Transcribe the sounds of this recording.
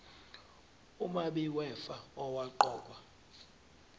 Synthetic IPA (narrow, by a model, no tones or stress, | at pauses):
umaɓiwɛfaɔwaǃɔːk̬ʼwa